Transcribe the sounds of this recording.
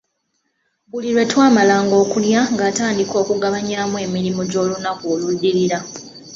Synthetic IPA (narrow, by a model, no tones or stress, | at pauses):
βuliɾwe̞twaːmalaːŋɡo̞ːkuljaŋɡaːtaːndiko̞ːkuɡaβaɲaːmwe̞ːmiɾimoɟo̞ːlunakoːludːiɾiɾa